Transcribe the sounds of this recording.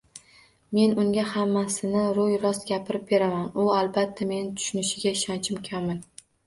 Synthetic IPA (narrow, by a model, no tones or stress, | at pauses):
me̞nʊŋɡʲahamːasɪnɪɾʊjɾɒsɡʲapʰɪɾɪp̚be̞ɾamanʊalbat̪ʰːame̞nɪt̪ʰʊ̥ʃʊnɪʃɪɡʲaɪʃant͡ʃʰɪmkʲʰamɪn